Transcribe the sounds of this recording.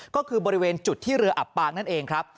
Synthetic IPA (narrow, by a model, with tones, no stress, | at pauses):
kɔː˥˩kʰɯː˧bɔː˧ɾi˦˥weː˧nt͡ɕu˨˩t̪ʰːiː˥˩ɾɯ˧ɐʔa˨˩pːaː˧k̚na˥˩nʔeː˧ŋkʰɾa˦˥p̚